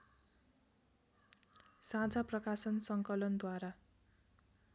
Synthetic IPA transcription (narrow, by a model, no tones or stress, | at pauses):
sãt͡saprʌkasʌnsʌŋkʌlʌnd̪waɾa